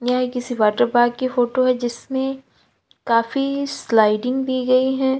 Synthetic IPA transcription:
jaːikɪsiʋaːʈəɾbaːɡkifoːʈoɦɛd͡ʒɪsmẽ | kaːfislaːɪɖɪ̃ŋɡb̪ʱiɡɐiɦɛ̃ː

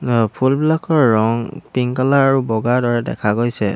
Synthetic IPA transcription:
pʰulblakɔɹːɔŋpiŋkalaaɹubɔɡaɹdɔɹɛdɛ̰kʰaɡojsɛ

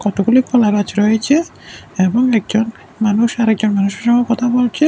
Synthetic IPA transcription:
kɔt̪okulikʰɔlaɾat͡ɕɾɔet͡ɕʰe | eboŋɛk̚d͡ʑon | manuʃaɾɛk̚d͡ʑonmanuʃeɾʃɔŋɔkɔt̪ʰabolt͡ɕʰe

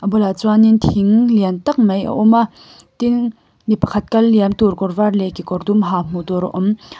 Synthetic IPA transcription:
ʔɐbɔlat͡swanint̪ʰiŋliant̪ɐk̚mɐjʔɐ̰ʔɔma | t̪iŋ | nipɐ̥kʰɐt̪̚kɐlːiamt̪urkɔrvarlɛkikɔrd̪umɦam̥ut̪ɔɾɔ̰ʔɔm

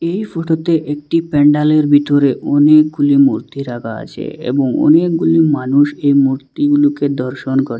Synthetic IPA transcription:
ejfoʈot̪eʔek̚ʈipeɳɖaleɾbʱit̪oɾeʔɔnek̚ɡulimṵɾt̪iɾaɡaa̰t͡ɕʰḛḛboŋɔ̰nek̚ɡulimanuʃejmuɾt̪iɡuluked̪ɔɾʃonkɔɾe

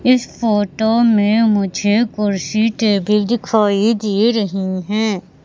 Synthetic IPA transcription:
ɪsfoːʈomẽmʊd͡ʒʱekʊɾsiʈeːbid̪ɪkʰaːid̪iːɾɐɦiɦɛ̃ː

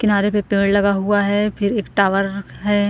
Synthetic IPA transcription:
kɪnaːɾepepeːɽlɐɡaɦuaɦɛpʰɪɾeːkʈaːʋəɾɦɛː

